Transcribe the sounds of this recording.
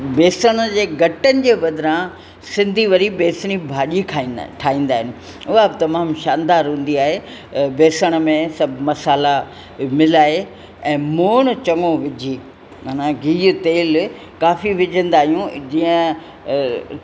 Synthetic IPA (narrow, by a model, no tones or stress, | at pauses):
beːsəɽ̃əd͡ʑeːɡɐʈənɪ̆d͡ʑeːʋɐd̪ʱɾã | sɪ̃nd̪ʱiʋɐɾibeːsəɽ̃ibʱaːʄiʈʰaːĩːn̆d̪aːɦɪnɪ̆ | ʊɦabɪt̪ɐmaːmʃaːnd̪aːɾɦũːn̆d̪iaːɦebeːsəɽ̃əmẽsɐbʱmɐsaːla | mɪlaːɦe | ɛ̃ːmoːɽ̃t͡ɕɐŋõʋɪd͡ʑʱiː | manãɡʱiːt̪eːl | kaːfiʋɪd͡ʑʱə̃nd̪aːɦijũd͡ʑiːə̃